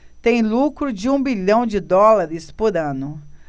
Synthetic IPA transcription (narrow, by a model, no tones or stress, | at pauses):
t̪ẽj̃lukɾʊd͡ʒɪũbiʎɐ̃w̃d͡ʒɪd̪ɔlaɾɪspoɾɐ̃nʊ